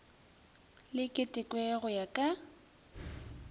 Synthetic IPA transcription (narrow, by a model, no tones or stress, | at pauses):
lɪkʼɪtʼɪkʼwɛɣʊjakʼa